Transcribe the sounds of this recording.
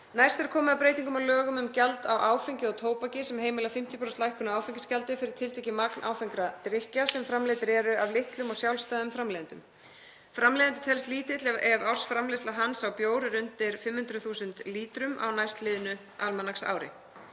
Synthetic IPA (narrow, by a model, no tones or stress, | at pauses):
najst̪ɛɾkʰɔːmʏðapɾeːjt̪iŋkʏmalœːɣʏmʏmcalt̪awʔaːwfiɲcɪɔɣt̪ʰoːwpacɪsɛmɦeːjmɪlafɪm̥t̪jipʰɾost̪lajhkʏnaaːwfiɲcɪ̥scalt̪ɪfɪɾɪɾ̥t̪ʰɪlt̪ɛcɪmaknʔa̰wfiŋkɾat̪ɾɪhcasɛmfɾamlɪːt̪ɪɾɛɾʏʔavlɪht̪lʏmɔɣsjawlst̪ajðʏmfɾamlɛːðɪnt̪ʏm | fɾamlɛːðnt̪ʏ̥t̪ʰɛlst̪liːt̪ɪt̪lɛvaw̥sfɾamlɪst̪laɦansawpjoːwɾʏɾʏnt̪ɪɾ̥fɪmhʏnd̪ɾʏθuːsʏnt̪liːt̪ɾʏma̰wnajst̪lɪːðʏnʏ | ʔalmanaksa̰ːwɾɪ̰